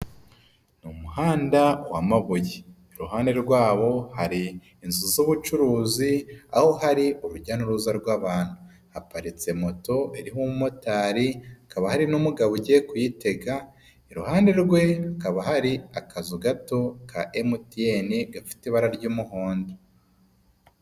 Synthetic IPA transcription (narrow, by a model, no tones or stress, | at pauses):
numuhaːndawamaβujeː | ɾuɦaːnde̞ɾɡwaːβo̞haɾiː | nzuzoβut͡ʃuɾuːzia̰ho̞ɦaɾiuɾuɾɟaːnuɾuzaɾɡwaːβaːn̥hu | hapaɾit͡se̞mo̞to̞eɾiɦummotaːɾiakaβahaɾinumuɡaβuɟekujite̞ɡa | iɾuhaːnde̞ɾɡwe̞akaβaɦaɾiakʰazuɡatokʰaʔemutieniɡafi̥tiβaɾaɾɟuːmuɦoːndi